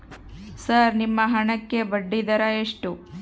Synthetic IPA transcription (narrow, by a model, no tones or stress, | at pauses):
sɐɾnimːɐɦɐɳɐkːe̞bɐɖːid̪ɐɾɐeʂʈu